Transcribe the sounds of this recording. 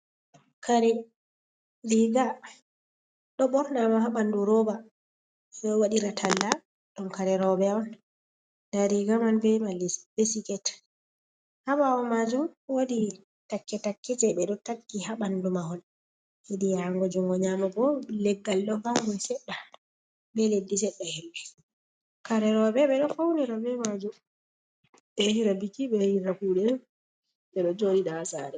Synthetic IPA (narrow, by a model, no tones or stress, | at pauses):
kaɾɛ | ɾiɡa | ɗɔɓɔɾnamahaɓanduɾɔba | ɔwaɗiɾatʰalːa | ɗɔnkaɾɛɾɔbɛɔn | daɾiɡamanbɛmalbesikɛt | haɓaɔmad͡ʒumwoɗi | takːɛtakːɛd͡ʒɛɓɛɗɔtakːihaɓandumahɔl | hidijaŋɡɔd͡ʒuŋɡɔɲamabɔlɛɡːalɗɔɡaŋɡɔjsɛɗːa | bɛledːisɛɗːahɛlːɛ | kaɾɛɾɔbɛɓɛɗɔfawnɛɾɔbɛmad͡ʒum | ɓɛhiɾabikːiɓɛhiɾakuɗɛ | ɓɛɗɔd͡ʒodiɗasaɾɛ